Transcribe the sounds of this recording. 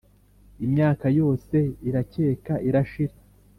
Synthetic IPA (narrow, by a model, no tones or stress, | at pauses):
imɲaːkajo̞ːse̞iɾace̞ːkaʔiɾaʃiɾa